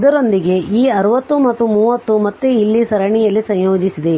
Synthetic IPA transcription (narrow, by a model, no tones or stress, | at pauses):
d̪ɐɾo̞nd̪iɡe̞ʔiːɐɾɐʋɐt̪ːumɐt̪ːumuːʋɐt̪ːumɐt̪ːeilːisɐɾɐɳijɐlːisɐ̃jjoːd͡ʒisid̪e